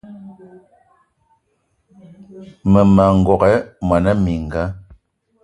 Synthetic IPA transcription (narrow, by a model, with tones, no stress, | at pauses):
mə˨ma˨ŋ̩˨ɡɔ˨kɛ˨˦ma˨na˦mi˨ŋ̩˨ɡa˦